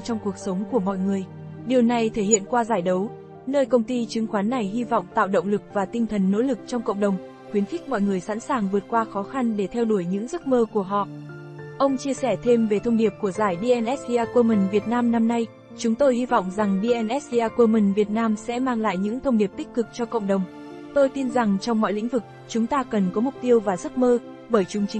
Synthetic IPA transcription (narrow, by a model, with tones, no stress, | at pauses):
t͡ɕɔ˧ŋ͡mku˨˩ək̚sə˨˦wŋ͡mku˧˩əmɔ̰˧˨jŋɨ˨˩əj | ɗi˨˩əwna˨˩jt̪ʰe˧˩hḭ˧˨ənkwaː˧zaː˧˩jɗə˨˦w | nəː˧jkə˧wŋ͡mt̪i˧t͡ɕɨ˨˦ŋxwaː˨˦nːa˨˩jɦi˧vɔ̰˧˨wŋ͡mt̪a̰ː˧˨wɗə̰˧˨wŋ͡mlɨ˨˩k̚vaː˨˩t̪i˧ŋ̟t̪ʰə˨˩nːo̰˧˥lɨ˨˩k̚t͡ɕɔ˧wŋ͡mkə̰˧˨wŋ͡mɗə˨˩wŋ͡m | xwi˨˦nxi˦˥k̟̚mɔ̰˧˨jŋɨ˨˩əjsa̰˧˥nsaː˨˩ŋvɨ˨˩ət̚kwaː˧xɔ˨˦xa˧nɗe˧˩t̪ʰɛ˧wɗu˧˩əjɲɨ̰˧˥ŋzə˦˥t̚məː˧ku˧˩əɦɔ̰˧˨ | ʔə˧wŋ͡mt͡ɕi˧əsɛ˧˩t̪ʰe˧mve˨˩t̪ʰə˧wŋ͡mɗi˨˩əp̚ku˧˩əzaː˧˩jɗi˧ʔɛ˧nʔɛ˦˥t̚i˧ʔaː˧kwə˧mï˨˩ŋ̟vi˨˩ət̚naː˧mna˧mna˧j | t͡ɕʊ˨˦ŋ͡mt̪o˧jhi˧vɔ̰˧˨wŋ͡mza˨˩ŋɗi˧ʔɛ˧nʔɛ˦˥t̚i˧ʔaː˧kə˧mï˨˩ŋ̟vi˨˩ət̚naː˧msɛ̰˧˥maː˧ŋla̰ː˧˨jɲɨ̰˧˥ŋt̪ʰə˧wŋ͡mɗi˨˩əp̚t̪ï˦˥k̟̚kɨ˨˩k̚t͡ɕɔ˧kə̰˧˨wŋ͡mɗə˨˩wŋ͡m | t̪o˧jt̪i˧nza˨˩ŋt͡ɕɔ˧wŋ͡mmːɔ̰˧˨jlḭ̈˧˥ŋ̟vɨ˨˩k̚ | t͡ɕʊ˨˦ŋ͡mt̪aː˧kə˨˩nkɔ˨˦mʊ˨˩k͡p̚t̪i˧əwvaː˨˩zə˦˥t̚məː˧ | ɓəː˧˩jt͡ɕʊ˨˦ŋ͡mt͡ɕï˨˦ŋ